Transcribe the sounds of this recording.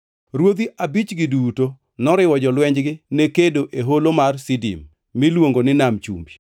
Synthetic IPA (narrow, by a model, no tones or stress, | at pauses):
ɾwod̪iʔabit͡ʃɡiduto | nɔɾɪwɔd͡ʒɔlwɛɲd͡ʒɡɪnekedoʔeɦolomarsidḭmː | ilwoŋɡonɪnamt͡ʃṵmbi